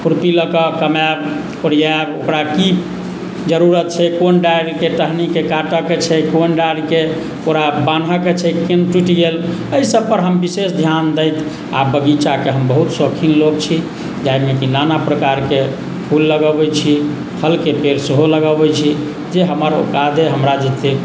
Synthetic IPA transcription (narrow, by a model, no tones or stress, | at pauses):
pʰuɾpiləkəkəmab | koɾjabokɾaki | d͡ʒəɾuɾət̪̚t͡ʃʰɛkonɖajɾkeʈəɦnikekaʈəket͡ʃʰɛkonɖaɖke | koɾabanɦəket͡ʃʰɛkenʈiʈiɡeləjsəb̚pəɾɦəmbisesd̪ʱjand̪əjt̪ʰ | abəɡit͡ʃakeɦəmbəɦut̪sokʰinloɡt͡ʃʰi | d͡ʒajmekinanapɾəkaɾke | pʰulːəɡəbɛt͡ʃʰi | pʰəlkepeɾseɦoləɡəbɛt͡ʃʰi | d͡ʒeɦəməɾo̰kad̪eɦəmɾad͡ʒet̪e